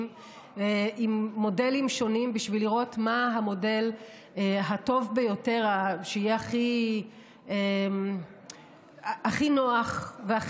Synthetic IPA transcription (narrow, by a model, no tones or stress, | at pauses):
m | eimːo̞de̞limʃo̞nimbiʃviliʁo̞tmaɦamo̞de̞l | ɦato̞vbejo̞te̞ʁaʃeijeaχi | e | aχinoaχvea